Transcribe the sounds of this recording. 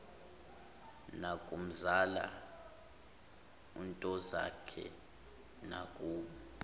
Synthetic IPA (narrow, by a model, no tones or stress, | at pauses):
nakʼum̩zala̰ | intʼɔza̰kʰɛ̰ | nakʼuːɓɔ